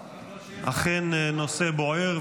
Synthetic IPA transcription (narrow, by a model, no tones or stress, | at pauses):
ʔa̰χennoseboeʁ